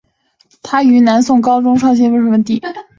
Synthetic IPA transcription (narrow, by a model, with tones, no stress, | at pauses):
t̪ʰa˥y˧˥na˧˥nsʊ˥˩ŋkɑ˥ʊʈ͡ʂʊ˥ŋʂwɑ˥˩ŋɕ̬jɛ˥˧ʂə˧˥ʂə˧˥mə˧t̪i˥˩